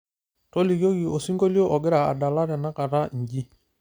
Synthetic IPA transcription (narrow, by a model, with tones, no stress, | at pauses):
to˦li˨ɡo˦ɡi˨ʔo˨si˦ŋɡo˦ljo˦ʔɔ˨ɡɪ˦ɾa˨a̰˨da˨la˦ɾɛ˨na˦ka˨ɾa˦˨ɲ˨ɟi˦